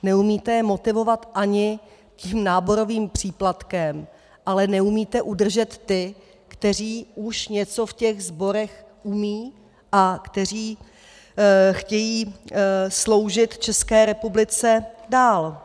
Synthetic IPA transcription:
nɛumiːt̪ɛjɛmo̞t̪ɪvo̞vat̪ʔaɲɪ | ciːmnaːbo̞ɾo̞viːmpr̝̥iːplat̪kɛm | ʔalɛnɛumiːt̪ɛʔudr̩ʒɛt̪ːɪ | kt̪ɛr̝iːuʃɲɛt͡so̞fcɛɣzbo̞ɾɛxʔumiː | ʔakt̪ɛr̝iː | xcɛjiː | slo̞wʒɪt̪t͡ʃɛskɛːɾɛpublɪt͡sɛdaːl

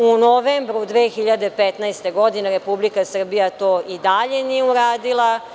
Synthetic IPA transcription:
unoʋeːmbɾud̪ʋeːxiʎad̪e̞pet̪naest̪e̞ɡo̞d̪ineɾe̞publikasr̩bijat̪o̞ːʔid̪aʎenijeuɾaːd̪ilˠa

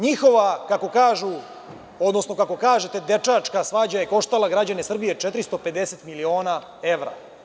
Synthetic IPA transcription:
ɲixo̞ʋakako̞kaːʒu | o̞d̪nosno̞kako̞kaːʒe̞t̪e̞d̪e̞t͡ʂat͡ʂkasʋaːd͡ʑaje̞ko̞ʃt̪alaɡɾad͡ʑanesr̩bije̞t͡ʂet̪ɾist̪o̞pe̞d̪eset̪milio̞ːna | e̞ʋɾa̰

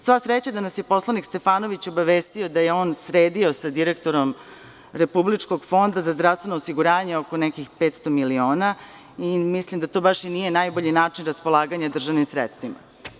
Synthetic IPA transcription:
sʋasɾet͡ɕad̪anasje̞po̞slˠanikst̪e̞faːno̞ʋit͡ɕo̞baʋe̞ːst̪io̞d̪ajeo̞ːnsɾeːd̪io̞sad̪iɾekt̪o̞ɾo̞m | ɾe̞publit͡ʃko̞ɡfo̞nd̪azazd̪ɾavst̪ʋenoːsiɡuɾaːɲeoko̞nɛkixpet̪st̪omilioːna | imislimd̪at̪o̞ːbaʃinije̞naːjbo̞ʎinaːt͡ʃinɾaspo̞lˠaːɡaɲad̪r̩ʒaʋnimsɾet̪st̪ʋima̰

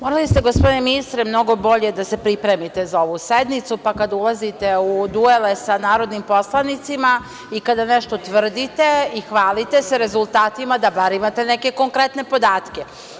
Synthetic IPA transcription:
moɾalist̪e̞ɡospod̪ineminist̪ɾemno̞ɡo̞bo̞ʎe̞d̪ase̞pɾipɾe̞mit̪ezao̞ʋused̪nit̪supakad̪aulˠazit̪eud̪uelesanaːɾo̞d̪nimpo̞slˠanit̪sima | ikad̪aneʃt̪o̞t̪ʋr̩d̪it̪e̞ixʋaːlit̪e̞seɾe̞zulˠt̪aːt̪imad̪abaɾimat̪eneke̞koŋkɾe̞t̪ne̞po̞d̪aːt̪ke̞

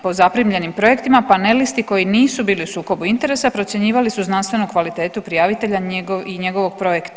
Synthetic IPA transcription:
po̞zapɾimʎe̞nimpɾo̞je̞kt̪imapane̞list̪iko̞jiniːsubiːliusuːko̞buint̪e̞ɾe̞sapɾo̞t̪sje̞ɲiːʋalisuznanst̪ʋe̞nukʋalit̪e̞ːt̪upɾijaʋit̪e̞ʎaɡiɲeɡo̞ʋo̞ɡ̥̚pɾo̞jekt̪

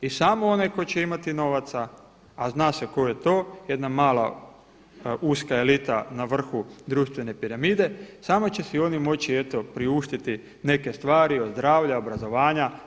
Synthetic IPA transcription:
isaːmoonajko̞t͡ɕe̞imat̪ino̞ʋat̪sa | aznaːseko̞je̞t̪o̞ːje̞d̪namaːla̰ | uskae̞lit̪anaʋr̩xud̪ɾuːʃt̪ʋe̞ne̞piɾamiːd̪e̞saːmo̞t͡ɕe̞sio̞nimo̞t͡ɕie̞t̪o̞pɾiuʃt̪it̪i | ne̞ke̞st̪ʋaːɾiozd̪ɾaːʋʎao̞bɾazo̞ʋaːɲa

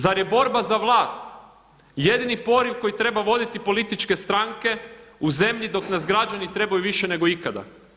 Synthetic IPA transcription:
zaɾjebo̞ɾbazaʋlˠaːst̪ | je̞d̪inipo̞ɾiuko̞jit̪ɾe̞baʋo̞d̪it̪ipo̞lit̪it͡ʃke̞st̪ɾaŋke̞uze̞mʎid̪o̞knazɡɾad͡ʒanit̪ɾe̞bajuʋiʃe̞ne̞ɡo̞ikad̪a̰

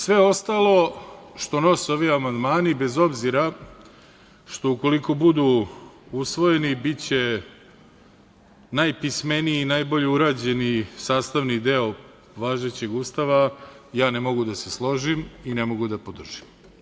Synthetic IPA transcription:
sʋe̞o̞st̪alˠo̞ʃt̪ono̞seo̞ʋiamand̪maːnibe̞zo̞bziɾa | ʃt̪o̞uko̞liko̞bud̪uusʋo̞je̞nibit͡ɕe̞ | najpisme̞niiːnajbo̞ʎeuɾaːd͡ʑe̞nisaːst̪aʋnid̪e̞o | ʋaːʒe̞t͡ɕe̞ɡust̪aʋajaːne̞mo̞ɡud̪aseslˠo̞ʒiminemo̞ɡud̪apo̞d̪r̩ʒ̥im

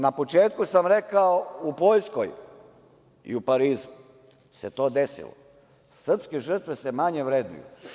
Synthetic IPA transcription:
napo̞t͡ʃeːt̪kusamɾekaoupojskoj | ḭupaɾiːzu | se̞t̪o̞ːd̪esḭlo̰ | sr̩pskeʒr̩t̪ʋese̞maɲeʋɾeːd̪nṵjṵ

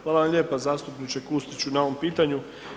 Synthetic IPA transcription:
xʋaːlaʋamʎʲe̞ːpazaːst̪upnit͡ɕekust̪it͡ɕunao̞ʋo̞mpiːt̪aɲu

